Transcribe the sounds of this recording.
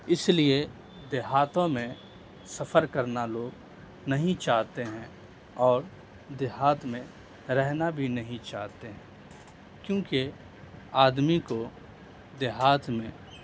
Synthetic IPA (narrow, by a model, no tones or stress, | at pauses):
ɪslie | d̪eɦaːt̪õmẽ | sɐfəɾkəɾnaloːɡ | nɐɦĩt͡ʃaːɦt̪eɦɛ̃ | ɔːɾ | d̪ɪɦaːt̪mẽ | ɾɛɦnabʱinɐɦĩt͡ʃaːɦt̪eɦɛ̃ː | kjõːki | aːd̪miko | d̪ɪɦaːt̪mẽ